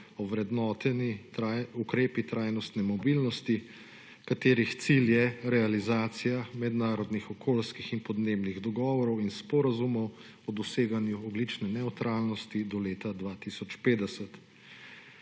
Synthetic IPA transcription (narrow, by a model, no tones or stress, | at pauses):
ɔʋɾɛd̪nɔːt̪ɛniaukɾeːpit̪ɾajnɔst̪nɛmɔbilnɔst̪i | kat̪eːɾixt̪siljɛɾɛalizaːt̪sijamɛd̪naːɾɔd̪nixɔkʰoːlskixinpɔd̪neːbniɣd̪ɔɡɔːʋɔɾɔwinspɔɾazumɔw | ɔd̪ɔseːɡanjuɔɡlit͡ʃnɛnɛwt̪ɾalnɔst̪id̪ɔleːt̪ad̪ʋaːt̪isɔt͡ʃpeːd̪ɛsət̪